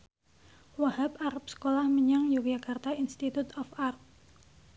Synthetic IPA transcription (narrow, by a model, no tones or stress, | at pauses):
wahap̚aɾap̚sə̥kolahməɲaŋjuk̚d͡ʒakart̪ainst̪it̪ut̪ɔfarp̚